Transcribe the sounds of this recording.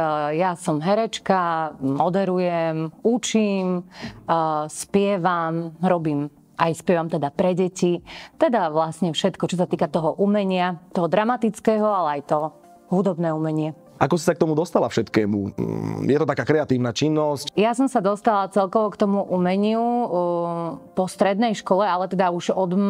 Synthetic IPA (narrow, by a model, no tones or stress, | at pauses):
jasɔmɦɛɾɛt͡ʃkamɔd̪ɛɾujɛmut͡ʃim | spɪɛʋamɾɔbiːm | ajspɛʋamt̪ɛd̪apɾɛɟɛcit̪ɛd̪aʋlasɲɛfʃɛt̪kɔt͡ʃɔsat̪iːkat̪ɔɦɔʔumɛɲɪat̪ɔɦɔd̪ɾamat̪it͡skɛːɦɔalɛajt̪ɔ | ɦud̪ɔbnɛːumɛɲɪɛ | ʔakɔsi̥sak̚t̪ɔmud̪ɔst̪alafʃɛt̪kɛːmṵjɛt̪ɔt̪akaːkɾɛat̪iːʊnat͡ʃinːɔscjasɔmsad̪ɔst̪alat͡sɛlkɔʋɔkt̪ɔmuʔumɛɲɪu | pɔst̪ɾɛd̪nɛjʃkɔlɛalɛt̪ɛd̪auʒɔd̪